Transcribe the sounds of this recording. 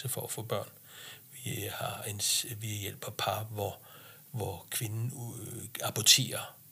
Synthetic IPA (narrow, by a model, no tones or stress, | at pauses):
səfɒæfɔ̰̽ːb̥ɶɐ̰n | ʋihɑ̈ensʋijel̰b̥ɐpʰɑ̈ːʋɒ | ʋɒkʰʋe̝nn̩ | ɑ̈b̥ʰɒt͡sʰe̝̰ːɐ